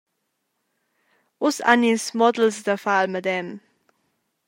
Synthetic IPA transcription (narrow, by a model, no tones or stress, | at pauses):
ʔʊsa̰ninsmɔd̪l̩sd̪əfalməd̪ɛm